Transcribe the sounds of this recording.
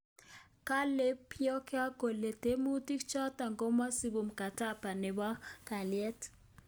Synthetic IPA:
ka˦le˦pʰjɔ˦ke˦a˦ko˨le˨te˦mu˦ti˦kt͡ʃɔ˦ta˨ŋɡo˦ma˦si˦bu˨mka˨ta˦pa˨ne˨ba˦ka˨ljɛ˦t

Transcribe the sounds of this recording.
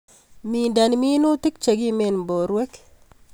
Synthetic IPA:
mi˨nda˨nmi˦nu˦ti˦k̚t͡ʃe˨ɡi˦me˨nmbo˨ɾwe˦k

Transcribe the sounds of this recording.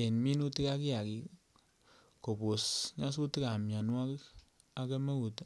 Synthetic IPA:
e˨nmi˦nu˦ti˦ka˦ki˦a˨ki˨ | ko˨po˨sɲa˦s̬u˦ti˦ka˨mja˨nwa˦k | a˨ke˦me˦u˨t

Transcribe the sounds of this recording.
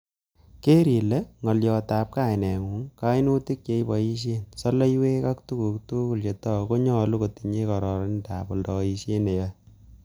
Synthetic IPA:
ke˦ɾi˨le˦ŋɔ˨ljɔ˧ta˨p̚ka˦jnɛ˨ŋu˨˦ŋka˦jnu˦ti˦k̚je˨˦jbɔ˨ji˦ʃ̬je˦nsɔ˦le˦jwe˦ka˦k̚tu˦ku˨ktuku˨lt͡ʃe˨tɔ˦ko˦ɲɔ˦lu˦ko˨ti˨ɲe˦kɔ˨ɾɔ˨ɾɪ˦nda̰˨bɔ˨ldɔ˨i˦se˦ne˨jɔ˦

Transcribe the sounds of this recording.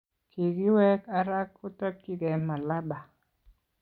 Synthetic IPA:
ki˨ɡi˦wɛ˦ka˨˦ɾa˦kːʊ˦tɔ˦t̚ki˦ɡɛ˨ma˨la˦ba˨

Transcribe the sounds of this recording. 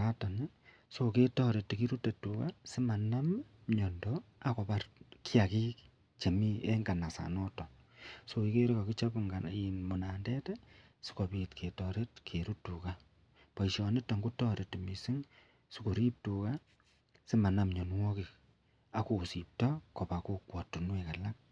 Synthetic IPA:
a˦ta˨ne˦ | soo˨ke˦tɔ˦ɾe˨te˨ki˦ɾu˦te˨tu˨ka˦si˦ma˨na˦mɲɔ˨ndoa˦ko˨pa˦rkʰi˦a˨ki˦k | t͡ʃe˨mi˦e˦ŋɡa˨na˨sa̰˨nɔtɔ˨ | so˨i˦ke˦ɾi˦ko˨ki˦t͡ʃɔ˦pŋɡainmo˨na˨ndɛ˦te˦ | si̥˦ko˨pi˨tkʰe˨tɔ˨ɾe˦tkʰeɾu˦tːu˨ka˦ | pa˨iʃɔ˨ne˦ta˨ŋɡu˦tɔ˦ɾe˨te˨misi˦ŋ | siko˨ɾi˦p̚tu˨ka˦ | si˦ma˨na˨mɲɔ˨nwɔ˦kik̚ | a˨ko˨si˨p̚tɔ˦ko˨pa˨ku˦kwɔ˨tu˨nweka˨la˦ŋ

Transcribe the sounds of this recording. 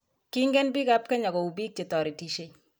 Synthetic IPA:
ki˦ŋɡɛ˦nbi˦ɡa˦p̚kɛ˦ɲa˨ɡɔ˨u˨bi˦k̚t͡ʃe˨tɔ˨ɾi˨ti˨ʃe˦˨

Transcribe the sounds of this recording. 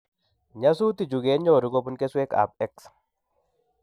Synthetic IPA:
ɲa˦su˦t̪i˨d͡ʒu˨ɡe˨˦nɲɔ˨ɾu˦ko˦bu˦nke˦swe˦ka̰˨p̚ɛ˦ks

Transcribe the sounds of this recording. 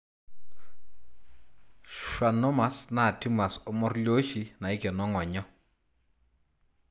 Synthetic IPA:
ʃwa˨nɔ˦ma˨sna˦˨ti˦ma˨sʊ˦mɔ˦rlo˦ʃi˨na˨i˦kɛ˨nɔ˦ŋɔ˨ɲɔ˦

